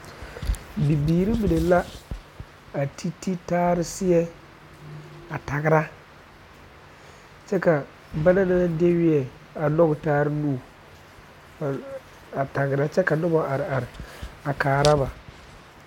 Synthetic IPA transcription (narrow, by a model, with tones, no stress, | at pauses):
bi˨biː˨ɾi˦mi˨ne˨la˦ | a˨tʰi˦ti˦taː˦ɾɪ˦sɪ˦ɛ˦ | a˨ta˨ɡɪ˨ɾa˦ | t͡ʃɛ˦ka˨ | ba˦na˦na˦na˦de˦wɪ˦ɛ˨ | a˨nɔ˦ɡɪ˨taː˦ɾɪ˦nuː˦˨ | a˨ta˨ɡɪ˨ɾa˦t͡ʃɛ˦ka˨nɔ˦bɔ˨ʔa˨ɾɪ˨a˨ɾɪ˨a˨kaː˨ɾa˦ba˨